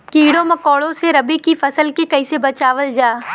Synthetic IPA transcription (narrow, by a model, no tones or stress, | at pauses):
kiːɽõmɐkoːɭõseɾɐbikifʰɐsəlkekɐɪsebɐt͡ʃaːʋəld͡ʒaː